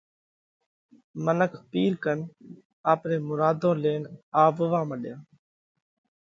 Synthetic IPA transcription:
mənəkʰpiːɾkən | aːpɾẽːmʊɾaːd̪õːleːnaːʋəʋãːməɗjãː

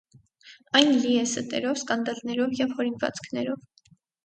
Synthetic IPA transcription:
ɑjnliɛsət̪ɛ̰ɾɔvskɑnd̪ɑlnɛɾɔvjɛvhɔɾinvɑ̰t͡skʰnɛɾɔv

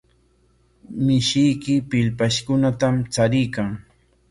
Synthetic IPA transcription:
mɪʃɪjkɪpɪlpaʃkʊnat̪amt͡saɾɪjkaŋ

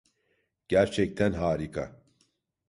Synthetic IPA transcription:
ɡ̥æɾt͡ʃʰɛk̚t̪ʰɛnɦaːɾikʰɐ̰

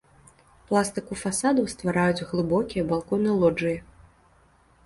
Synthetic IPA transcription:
plˠast̪ɨkufasad̪ɐwst̪vaɾajut͡sʲɣlˠɨbɔkʲijɐbalˠkɔnɨjlˠɔd͡ʐɨjɐ

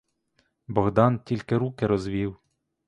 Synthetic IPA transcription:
bɔɣd̪ɑntʲilʲkɪɾukɪɾɔzʋʲiw

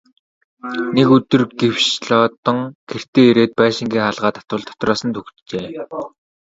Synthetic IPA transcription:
nekɵt̪ɵ̆rɡew̥ʃɮɔːt̪ɞ̆ŋɡer̥t̪eːeɾeːt̪̚pæːʃɪ̆ŋɡʲiːŋχaɮʁaːt̪ʰḁt̪ʊ̆ɮt̪ʰɔ̥t̪rɔːsə̆nt̪ʰɵxt̪t͡ɕeː

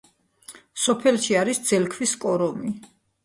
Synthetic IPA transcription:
sɔpʰɛlʃiaɾisd̪z̥ɛlkʰviskʼɔɾɔmi

